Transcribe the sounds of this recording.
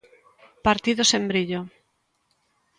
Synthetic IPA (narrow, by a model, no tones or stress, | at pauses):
paɾt̪iðosembɾiʎo